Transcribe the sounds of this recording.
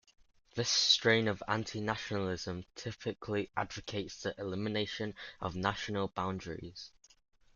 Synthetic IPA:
ðɪstɹ̥ẽɪ̃nəvã̰ntʰɪnaʃənəlɪz̥ə̃mtʰɪpʰɪkʰliʔa̰dvɪkʰeɪtsðiʔɪlɪmɪneɪʃə̃nə̰vnaʃənəlˠbãʊ̃ndɹɪ̰z̥

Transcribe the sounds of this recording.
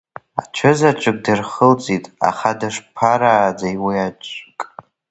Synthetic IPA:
a̰t͡ʃʷʰɨzaʈ͡ʂʷʼɨk̚ʼdɨrχəlt͡sʼitʼa̰χadaʂpʰaɾaːd͡zajwiat͡ʃʼkʼ

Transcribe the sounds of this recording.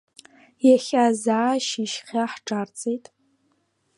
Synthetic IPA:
jaχʲazaːʃiʃχʲaħʈ͡ʂʼart͡sʼejtʼ

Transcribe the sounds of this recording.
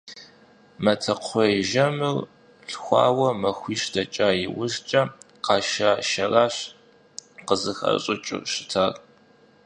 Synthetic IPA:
mɐtʰɐqʷʰɔjʒɐmɨr | ɬxʷɑ̰ːwɐmɐxʷiːʃdɐt͡ʃʼaːjɪwʊst͡ʃʼɐ | qɑːʃaːʃɐraːɕ | qəzɨxɐ̰ɕʼɪt͡ʃʼʊ̰ʃɪ̥tʰaːr

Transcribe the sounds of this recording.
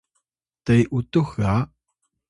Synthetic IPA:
t̪ajʔut̪uxa

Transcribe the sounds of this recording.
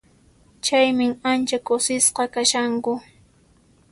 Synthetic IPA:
t͡ʃajmɪŋant͡ʃakʊsɪsqɑkaʃaŋkʊ

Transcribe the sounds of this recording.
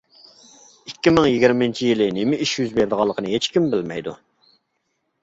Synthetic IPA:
ikʲːimɪŋjiɡʲiɾmɪnt͡ʃʰijilɪnemɪiʃjyzbeɾd̪əʁɑlˠːəqʰənɨɦet͡ʃkʲimbɪlmɛ̰jd̪u

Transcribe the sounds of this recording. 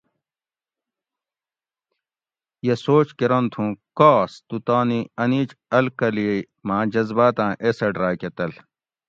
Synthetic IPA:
jesoːt͡ɕkiɾɐnt̪ʰũːkaːst̪ut̪aːniɐniːt͡ʃɐlkɐlije | mãːd͡ʑɐzbaːt̪ãːʔeseɖɾaːjket̪ɐl

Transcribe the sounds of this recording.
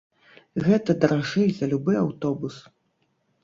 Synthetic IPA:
ɣɛt̪ɐd̪ɐɾaʐɨjzɐlʲubɨjawt̪ɔbus

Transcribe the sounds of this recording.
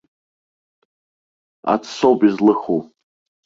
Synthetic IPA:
a̰t͡sʰsowpizlɨxu

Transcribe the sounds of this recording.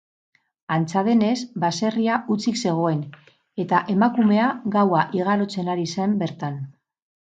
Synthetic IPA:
ant͡saðe̞ne̞zbase̞riaʔut͡sikse̞ɣ̞o̞e̞n | e̞t̪aʔe̞makume̞aɣawaʔiɣaɾo̞t͡se̞naɾise̞mbe̞ɾt̪an

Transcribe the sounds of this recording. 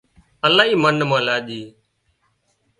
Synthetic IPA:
əlãːɦiːmənmãːlaːɗiː

